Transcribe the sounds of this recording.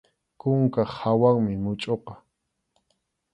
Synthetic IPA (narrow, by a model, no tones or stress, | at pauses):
kʊŋkaχhawaŋmɪmʊt͡ʃʼoqɑ̥